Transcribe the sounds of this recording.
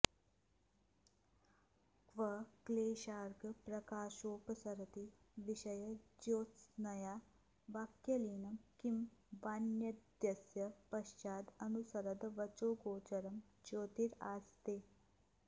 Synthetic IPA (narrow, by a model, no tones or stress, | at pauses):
kʋɐkleːʃaːɾɡɐpɾɐkaːʃoːpɐsɐɾɐt̪i | ʋiʃɐjɐd͡ʒoːt͡snɐjaː | ʋaːkjɐliːnɐmkimbaːnjɐdd̪jɐsjɐpɐʃt͡ʃaːd̪ɐnusɐɾɐd̪ɐʋɐt͡ʃoːɡoːt͡ʃɐɾɐmd͡ʒoːt̪iɾa̰ːst̪eː